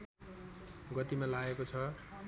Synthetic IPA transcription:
ɡʌt̪imalaɡekot͡sʰʌ

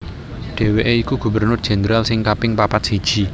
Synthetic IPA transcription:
ɖ̥e̤weʔeikuɡ̥ṳbərnʊrd̥ʒ̥ɛ̤nɾalsɪŋkapɪŋpapat̪̚sid̥ʒ̥i̤

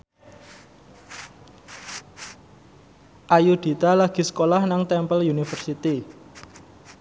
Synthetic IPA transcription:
ʔajud̪̥i̤t̪alaɡ̥i̤sə̥kolahnaŋt̪ɛmpəljunifərsit̪i

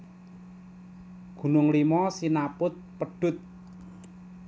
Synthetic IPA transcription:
ɡ̥ṳnʊŋlimɔsinapʊt̪̚pəɖ̥ʊ̤t̪̚

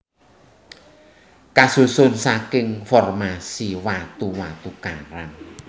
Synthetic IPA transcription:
kasusʊnsakɪŋfɔrmasiwat̪uwat̪ukaɾan

